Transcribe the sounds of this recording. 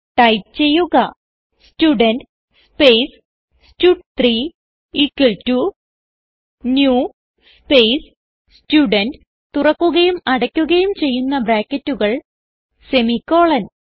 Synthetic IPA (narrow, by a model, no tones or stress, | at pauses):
ʈɐjp̚t͡ɕe̞jːuɣɐ | stuɖɐnɖ | speːs | stuʈt̪ri | ikːɐɭtu | njuː | speːs | stuːɖɐnɖ | t̪urɐkːuɣɐjumɐɽɐkʲːuɣɐjumt͡ɕe̞jːunːɐbɾaːkːɐtːuɣɐɭ | se̞mikːo̞ːɭɐn